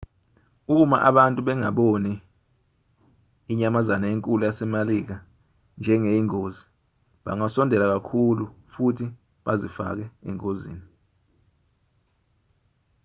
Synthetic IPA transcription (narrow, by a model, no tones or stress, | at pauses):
uk̬uma̰ʔaɓantʼuɓɛŋaɓoni | iɲamazanaeŋkʼulujasɛmalik̬a | nd͡ʒʱɛŋejiŋoːzi | ɓa̰ŋasɔndʱɛlak̬akʰulufutʰi | ɓazifa̰k̬ɛɛ̰ŋozḭːni